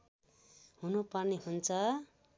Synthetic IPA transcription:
ɦunupʌrneɦunt͡sʰʌ

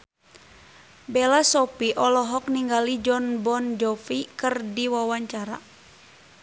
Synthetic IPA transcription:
bɛlasɔpiʔɔlɔɦɔk̚niŋɡalid͡ʒɔnbɔnd͡ʒɔfikɨrdiwawaɲt͡ʃaɾa̰

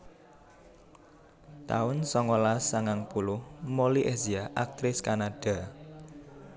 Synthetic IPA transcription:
t̪aʊnsɔŋɔlasaŋaŋpulʊhmoliʔeziaʔak̚t̪ɾɪskanad̥a̤

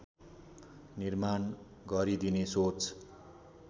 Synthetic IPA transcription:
nirman | ɡʌɾid̪inesot͡s

